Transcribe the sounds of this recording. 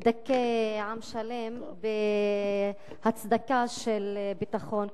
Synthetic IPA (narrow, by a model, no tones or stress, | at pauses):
d̪akːeʕamʃale̞m | be | hat͡sd̪akaʃelbit̪aχo̞n